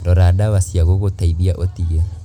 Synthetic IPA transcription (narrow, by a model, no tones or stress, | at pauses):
dɔɾadawasiaɣoɣotaidiaʔotiɣa